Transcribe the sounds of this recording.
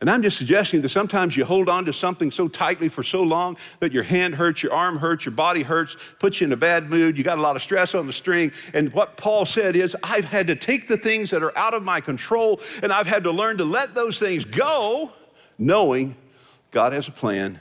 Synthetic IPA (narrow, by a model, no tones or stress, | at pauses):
ɨ̃ñãɪ̃md͡ʒʌstsɨɡ̚d͡ʒɛstɪ̃ŋðɨtsʌ̃mtʰãɪ̃mzjɨhoʊlˠdn̩tɨsʌ̃mθɪ̃ŋsoʊtʰaɪtˡlifə˞soʊlɔ̃ŋ | ðɨt͡ʃə˞hæ̃nd̚ɦɜ˞tsjə˞ʔɑɹmɦɜ˞sjə˞bɑɾiɦɜ˞tspʰʊt͡ʃɨɨ̃ñɨbæd̚mʉdjɨɡɑɾəlɔɾʌv̥stɹ̥ɛsn̩ðɨstɹ̥ɪ̃ŋɨ̃nwʌt̚pʰɔlˠsɛɾɪzaɪv̥ɨd̚tɨtʰeɪk̚ðɨθɪ̃ŋzðɨɾə˞ʔaʊɾʌvmaɪkɨ̃ntʰɹ̥oʊlˠɨ̃ñaɪv̥ɨd̚təlɜ̃˞ntəlɛt̪̚ðoʊz̥θɪ̃ŋzɡoʊ | noʊɪ̃ŋ | ɡ̥ɑɾ̚ɨzəpʰl̥æ̰̃n